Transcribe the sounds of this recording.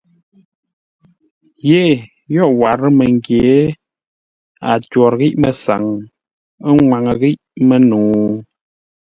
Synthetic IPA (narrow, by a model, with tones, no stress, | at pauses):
je˦˨ | jɔ˦˨ʔwa˨ɾə˦mə˨ŋɡje˨˦ | a̰˨twɔ˨ɾɣi˦ʔmə˨sa̰˨ŋ | ə˦ŋwa˨ŋə˨ɣi˦ʔmə˨nuː˨